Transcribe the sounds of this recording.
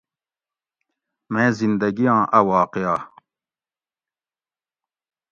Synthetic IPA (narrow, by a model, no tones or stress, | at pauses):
mẽːzind̪ɐɡijãːʔɐwaːqea